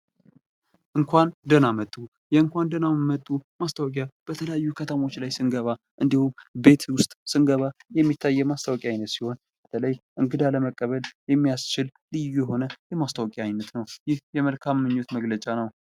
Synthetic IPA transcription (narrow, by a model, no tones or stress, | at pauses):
ʔɨŋkʰʷand̪ənamət̪ʼːu | jɛɨŋkʷand̪ənamət̪ʼːumast̪ʰawkʼjab̥ət̪ʰələjajːukʰət̪ʰəmo̞t͡ʃːlajsɨnɡəβa | ʔɨnd̪ihumbe̞t̪wʊst̪ʼsɨnɡəβajɛmːit̪ʰːajːɛmast̪ʰawɔkʼjajnːət̪siho̞n | b̥ət̪ʰələjʔɨŋɡɨd̪aləməkʼːəβəljɛmːijast͡ʃɪl | lɨjujɛho̞nəjɛmast̪ʰawkʼjajnːət̪nəwjɪhjɛməlkʰamːɨɲːot̪məɡlət͡ʃʼanəw